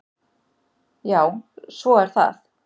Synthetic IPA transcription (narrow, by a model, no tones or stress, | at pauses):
jaːwsvɔɛɾ̥θa̰θ